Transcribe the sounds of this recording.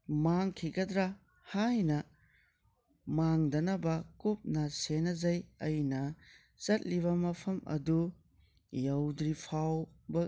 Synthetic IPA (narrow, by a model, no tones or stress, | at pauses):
maŋkʰiɡɐdɾa | hajnɐ | maŋdɐnɐbɐkup̚nɐsenɐzɐjɐjnɐ | t͡ʃɐt̚liβɐmɐpʰɐmɐ̰du | jɐwdɾipʰawbɐ